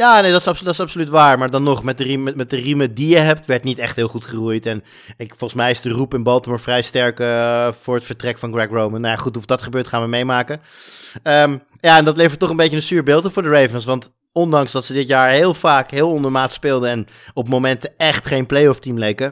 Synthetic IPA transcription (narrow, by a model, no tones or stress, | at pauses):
jaːnejdɑtɪsɑpsdɑtɪsɑpsolyt̬ʋaːɹmaːɹdɑnɔχmɛt̚dəriɛmɛt̚dərimədijəɦɛp̚tʋɛɹtnitɛχtɦɪːlˠχutχərujtɛn | ɪkfɔlˠχənsmɛjɪsdərupɪnbɑlˠtəmɔɹfrɛjstɛɹkəfʊːɹətfəɹtrɛkfɑnɡrɛkrowmənːajaχutufdɑtχəbøːɹtχaːnʋəmejmaːkə | əːm | jaːɛndɑtlejvəɹtːɔχənbejcənəsyːɹbɪːlˠtəvʊːɹdəɹejvənsʋɑnt | ɔndɑŋsdɑtsədɪtjaːɹɦeːlˠvaːkɦɪːlˠɔndəɹmaːtspɪːlˠdəɛn | ɔpmomɛntəɛχtχejnplejɔftimlejkə